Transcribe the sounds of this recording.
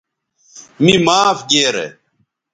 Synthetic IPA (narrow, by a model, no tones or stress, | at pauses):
mimaːfɡeːɾḛ